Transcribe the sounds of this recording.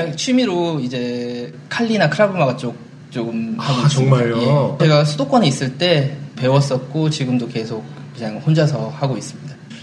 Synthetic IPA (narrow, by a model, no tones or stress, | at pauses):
ɲaŋt͡ɕʰɥimiɾoid͡ʑe̞ | kʰaʎːinakʰɯɾabɯmaɡat͡ɕ͈ok̚ | t͡ɕ͈oɡɯmhaɡɡoʌŋmaʎjot͡ɕe̞ɡasʰudok͈wʌniːs͈ɯɭt͈e̞pe̞wʌs͈ʌt̚k͈ot͡ɕiɡɯmdoke̞sʰok̚ːɯɲaŋhond͡ʑasʰʌhaɡois͈ɯmɲida